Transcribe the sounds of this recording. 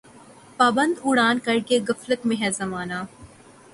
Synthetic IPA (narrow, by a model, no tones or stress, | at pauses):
paːbə̃nd̪ʊɽaːnkɐɾkeɡəfləkmẽɦɛzɐmaːnaː